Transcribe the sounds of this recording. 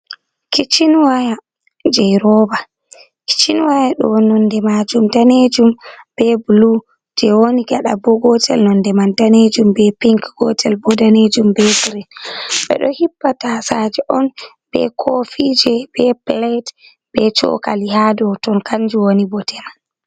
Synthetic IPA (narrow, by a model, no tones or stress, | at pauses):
kʰit͡ʃinwaja | d͡ʒɛjɾɔba | ki̥t͡ʃinwajaɗɔ̰nɔndɛmad͡ʒumdaned͡ʒumb̥ɛblu | d͡ʒɛwoniɡaɗa̰bɔɡɔtʰɛlnɔndɛmandaned͡ʒumbɛpiŋkɡ̥ɔtʰɛlbɔdaned͡ʒumbɛɡɾinɓɛ̰ɗɔ̰hipːatasad͡ʒɛʔɔn | b̥ɛ̰kʰofid͡ʒɛb̥ɛplɛt | b̥ɛt͡ʃɔ̰kalihadɔtɔnkʰand͡ʒuwonibɔtɛman